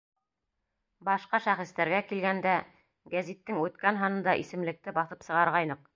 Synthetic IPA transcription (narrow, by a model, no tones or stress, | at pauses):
bɑʃqɑʃæχɘ̆st̪æɾɡækilɡænd̪æ | ɡæzit̪ːɘŋʉt̪kænɦɑnɤ̆nd̪ɑʔisɘ̆mlɘ̆k̚t̪ɘbɑθɤpsɤ̆ʁɑɾʁɑjnɤq̚